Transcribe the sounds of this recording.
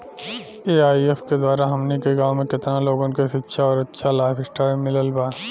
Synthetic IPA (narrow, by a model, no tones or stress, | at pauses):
eːaːiefked̪aːɾaɦɐmnikeɡãːwmẽkɪt̪naloːɡõnkeʃɪtːʃʰaɔːɾɐtːʃʰalaːɪfʰɪsʈaːɾmɪləlbaː